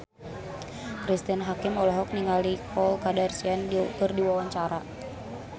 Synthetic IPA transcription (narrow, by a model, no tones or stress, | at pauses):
kɾist̪inɦakɪmɔlɔɦɔk̚niŋalikʰɔlkadarsiandkɨrdiwawaɲt͡ʃaɾa̰